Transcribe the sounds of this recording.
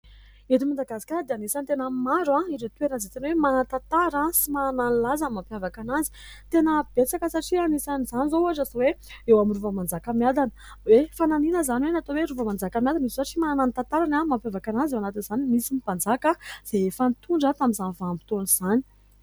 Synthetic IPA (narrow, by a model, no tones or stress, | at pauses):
et̪imand̪aɡasi̥kʲad̪eanisant̪enəmaɾãiɾet̪weɾanzet̪inwemanant̪at̪aɾãsimananilazamampjavakanazi̥ | t̪enəb̥et͡sakəsaʈ͡ʂianisanizanizouaʈ͡ʂazoweewaminruvəmand͡zakamjad̪anə̥ | wefananinəzaniwenat̪oweɾuvəmand͡zakamjad̪anizsaʈ͡ʂimananant̪ant̪aɾanamampjavakanazewanat̪inz̥animisimipand͡zakaz̥eefənit̪uɳɖ͡ʐat̪aminzanvaambi̥t̪onuz̥ani̥